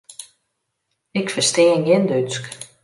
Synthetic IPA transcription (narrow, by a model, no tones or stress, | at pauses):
ɪkfəstɪːənjɪndyt͡sk